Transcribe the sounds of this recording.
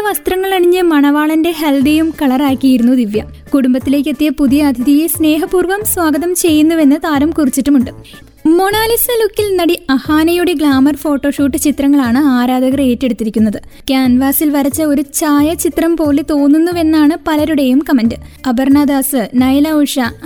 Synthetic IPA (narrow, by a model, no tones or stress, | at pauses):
ɐʋɐst̪rɐŋːɐɭɐɳiɲːɨmɐɳɐʋaːɭɐnde̞ɦeld̪ejumkɐɭɐraːkʲːijiɾunːud̪iʋjɐ | kuɽumbɐt̪ːile̞ːk̬ʲːet̪ːiepuðijɐːd̪ʱiðijesne̞ːɦɐpuːrʋɐmsʋaːɡɐðɐmt͡ɕe̞jːunːuʋe̞nːɨt̪aːɾɐmkurit͡ɕːiʈːumuɳɖɨ | mo̞ɳaːlisɐlukːilnɐɽiɐhaːnɐjuɽeɡɭaːmɐrfo̞ːʈːo̞ːʂuːʈːɨt͡ɕit̪rɐŋːɐɭaːɳɨaːɾaːd̪ɐɣɐre̞ːtːeɽut̪ːiɾikʲːunːɐðɨ | kʲaːnʋaːsilʋɐɾɐt͡ɕːɐo̞ɾut͡ɕaːjɐt͡ɕit̪rɐmpo̞ːlːet̪o̞ːnːunːuʋe̞nːaːɳɨpɐlɐɾuɽejumkɐmɐndɨɐbɐrɳaːd̪aːsɨnɐjlauʂɐ